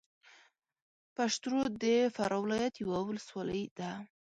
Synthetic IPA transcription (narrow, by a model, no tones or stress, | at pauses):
paʂt̪ɾod̪əfaɾʔɑwɪlɑjat̪jawawələswɑləjd̪a